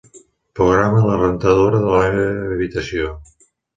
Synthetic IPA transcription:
pɾuɣɾamələrənt̪əðoɾəðələmeβeəβit̪əsjo

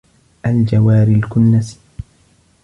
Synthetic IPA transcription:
ʔald͡ʒawaːɾɪlkʊnːasi̥

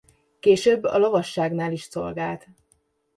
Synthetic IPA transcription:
keːʃøːbːɒ̰lɒvɒʃːaːɡnaːliʃso̞̰lɡaːlt̪

